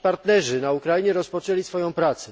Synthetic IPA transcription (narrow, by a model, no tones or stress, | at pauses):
paɾt̪nɛʐɘnaukɾajiɲɛɾɔspɔt͡ʂɛlʲisfɔjɔ̃w̃pɾat̪sɛ